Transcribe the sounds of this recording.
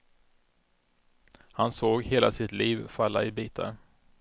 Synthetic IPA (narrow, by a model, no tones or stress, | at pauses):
hansoːɡheːlasɪt̪liːvfalːa̰ɪbiːt̪ʰa̰ɾ